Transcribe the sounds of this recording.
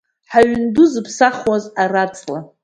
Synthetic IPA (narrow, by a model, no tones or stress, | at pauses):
ħaɥnduzɨpʰsaχwazarat͡sʼla